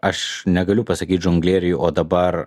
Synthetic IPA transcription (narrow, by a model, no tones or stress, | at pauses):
ɐʃnʲɛɡɐlʲʊpɐsɐkʲiːt̪ʲʒʊŋɡlʲeːɾʲɪjʊʔoːd̪ɐbɐɾ